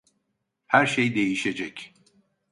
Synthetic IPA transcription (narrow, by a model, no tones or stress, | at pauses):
hæɾʃejd̪e̞jiʃe̞d͡ʒɛc